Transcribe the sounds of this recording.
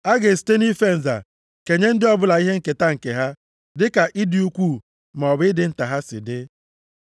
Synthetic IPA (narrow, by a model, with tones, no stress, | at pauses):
a˦ɡe˨ste˦ni˦fe˦n̩˨za̰˨ | ke˨ɲe˦n̩˦dɪ˦ɔ˦bʊ˦la˨i˦ɦe˦ŋ̩˨ke˨ta˦ŋ̩˨ke˨ɦa˦ | dɪ˦ka˨ʔɪ˦di˨u˦kʷu˦˨ | ma˨ɔ˨bɪ˦ɪ˦dɪ˦n̩˦ta˨ɦa˦sɪ̰˨dɪ˦